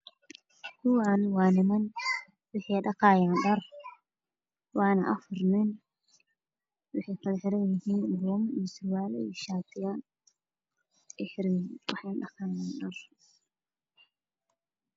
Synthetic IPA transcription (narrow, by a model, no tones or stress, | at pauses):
kʰʊwanwɑːnɪmɐn | wɪħɑjɖɑqɑːjaːnɖɐr | wɑːnɐʔɐfʊrnɪn | wʊħɛjkʰɐlɐħɪɾɐnjɪhiːnbɔːmijɔsʊrwaːlɛ̰ḭʃaːt̪ʰɪja | ɛħɪɾinwɑ̰ħɑjnɖɑqɑːjaːnɖɐr